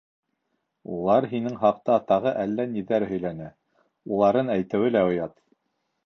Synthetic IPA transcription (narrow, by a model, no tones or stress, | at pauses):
ṵlˠɑɾɦinɘŋɦɑq̚t̪ɑt̪ɑʁɤʔælːæniðæɾɦɵ̆jlænɘ | ulˠɑɾɤnæjt̪ɘ̆wɘlæŏjɑt̪